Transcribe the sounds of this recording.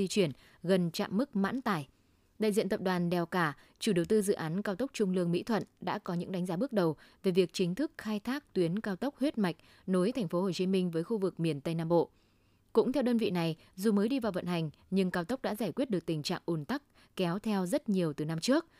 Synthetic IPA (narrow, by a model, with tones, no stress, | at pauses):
i˧t͡ɕwi˧˩ən | ɣə˨˩nt͡ɕa̰ː˧˨mːɨ˦˥k̚ma̰ː˧˥nt̪aː˧˩j | ɗa̰ː˧˨zḭ˧˨nt̪ə˨˩p̚ɗwaː˨˩nɗɛ˨˩wkaː˧˩ | t͡ɕu˧˩ɗə˨˩wt̪ɨ˧zɨ̰˧˨ʔaː˨˦nkaː˧wt̪ə˦˥wk͡p̚t͡ɕʊ˧ŋ͡mlɨ˧əŋmḭ˧˥t̪ʰwə̰˧˨nɗa̰ː˧˥kɔ˨˦ɲɨ̰˧˥ŋɗa˨˦jŋ̟zaː˨˦ɓɨ˦˥ək̚ɗə˨˩wve˨˩vi˨˩ək̚t͡ɕï˨˦ŋ̟t̪ʰɨ˦˥k̚xaː˧jt̪ʰaː˦˥k̚t̪wi˨˦ənkaː˧wt̪ə˦˥wk͡p̚hwi˦˥t̚ma˨˩jk̟̚ | no˨˦jt̪ʰɛ˨˩ŋ̟fo˨˦ho˨˩t͡ɕi˨˦mï˧ŋ̟vəː˨˦jxu˧vɨ˨˩k̚mi˨˩ənt̪ə˧jnaː˧mɓo̰˧˨ | kʊ̰˧˥ŋ͡mt̪ʰɛ˧wɗəː˧nvḭ˧˨na˨˩j | zu˨˩məː˨˦jɗi˧vaː˨˩wvə̰˧˨nɦa˨˩jŋ̟ | ɲɨ˧ŋkaː˧wt̪ə˦˥k͡p̚ɗa̰ː˧˥zaː˧˩jkwt̚ɨ˨˩ək̚t̪ï˨˩ŋ̟t͡ɕa̰ː˧˨ŋʔu˧˩nt̪a˦˥k̚ | kɛ˨˦wt̪ʰɛ˧wzə˦˥t̚ɲi˨˩əwt̪ɨ˨˩na˧mt͡ɕɨ˦˥ək̚